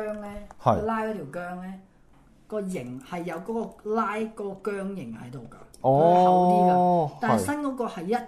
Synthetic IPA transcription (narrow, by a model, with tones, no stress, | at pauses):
œː˥ŋlɛː˥hɐ˨ɔ˧laː˥jɔː˨˥t̪ʰi˨˩wkœː˥ŋlɛː˦˥ | kɔː˧jɪ˨˩ŋhɐ˨jːɐ˨˧wkɔː˨˦˥kɔː˧laː˥jkɔː˨˦˥kɔː˧kœː˥ŋjɪ˨˩ŋhɐ˨˦jt̪o˨wɡɐ˧ɔ˥swt̪iː˥ɡa˧ta˨sɐ˥nkɔː˨˥kɔː˧hɐ˨jːɐ˥t̚